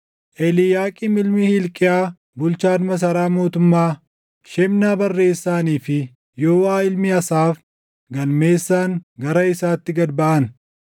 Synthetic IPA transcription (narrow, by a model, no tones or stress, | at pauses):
ʔɛlɪjaːkʼɪmɪlmɪhɪlkʼɪjaː | bʊlt͡ʃaːnmɐs̬ɐɾaːmo̞ːt̪ʊmːaː | ʃɛmnaːbɐrːe̞ːsːaːniːfɪ | joːwaːɪlmɪɐsaːf | ɡɐlme̞ːsːaːŋɡɐɾɐɪsaːt̪ːɪɡɐd̪bɐʔɐn